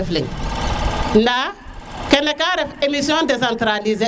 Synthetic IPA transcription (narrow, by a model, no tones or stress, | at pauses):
flḭŋ | nda | kɛnɛkaɾɛfemisiɔ̃ndesãnt̪ɾalize